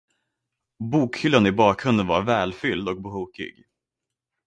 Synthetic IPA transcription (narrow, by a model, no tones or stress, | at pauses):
buːkhʏlːanɪbɑːkɾɵnd̪ənvaɾvɛːlfʏld̪ɔk̚bəhuːkɪ̰ɡ